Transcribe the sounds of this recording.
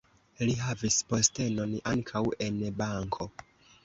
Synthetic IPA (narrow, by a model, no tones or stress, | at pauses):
liɦavispostenona̰ŋkʰawenbaŋkʰo